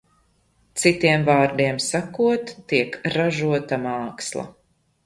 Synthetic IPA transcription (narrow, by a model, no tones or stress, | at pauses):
t̪sit̪iɛmvaːɾd̪iɛmsakuɔt̪ːiɛkɾaʒuɔt̪amaːkslˠa̰